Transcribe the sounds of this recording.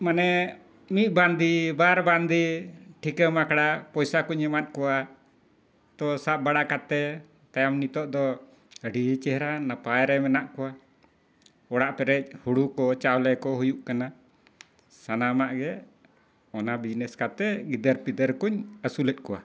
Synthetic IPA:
manɛ | mit̪̚band̪ibaɾband̪iʈʰikəmakɽapɔjsakuɲːɛmat̪̚ˀkɔwa | t̪ɔsaʔ̚baɽaʔkat̪ɛ | t̪ajamnit̪ɔʔd̪ɔ | əɖit͡ʃɛhɾanapajɾɛmɛnaʔkɔwa | ɔɽaʔpɛɾɛc̚ˀhuɽukɔt͡ʃawlɛkɔɦujuʔkana | sanamaʔɡɛ | ɔnabid͡ʒnɛskat̪ɛɡid̪əɾpid̪əɾkuɲəsulɛt̪̚kɔwa̰

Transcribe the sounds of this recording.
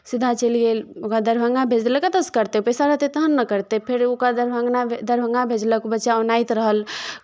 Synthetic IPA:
sɪd̪ʱːat͡ʃelielokad̪əɾbʱəŋɡabʱeːd͡ʒləkət̪əskəɾt̪epɛsaɾəɦt̪et̪əɦənːəkəɾt̪epʰɪɾokad̪əɾbʱəŋɡnad̪əɾbʱəŋɡabʱed͡ʒləkbətːʃaonaːit̪ɾəɦəl

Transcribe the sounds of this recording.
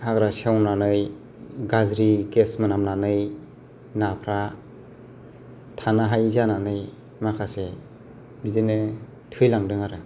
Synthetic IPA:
haɡɾasiawnanɯj | ɡazɾiɡesmɯnamnanɯj | napʰɾa | tʰanaɦajzananɯj | makʰase | bidɯnɯ | tʰɯjlaŋdɯŋaɾɯ

